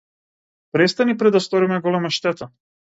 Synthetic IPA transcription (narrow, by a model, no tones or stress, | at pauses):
pɾɛst̪anipɾɛd̪ːast̪ɔɾimɛɡɔlɛmaʃt̪ɛt̪a